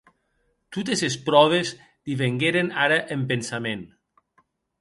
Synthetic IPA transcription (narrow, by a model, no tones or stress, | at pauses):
t̪ut̪ezespɾɔβ̞ez | d̪̥iβeŋɡeɾenaɾaʔempensamẽn